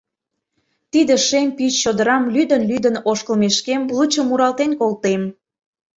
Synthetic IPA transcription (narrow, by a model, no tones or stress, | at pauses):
t̪id̪eʃemʲpit͡ɕːod̪əɾɑmlyd̪ənlyd̪ənoʃkəlmeʃkemblˠut͡ɕə̆muɾɑlt̪enkolˠt̪em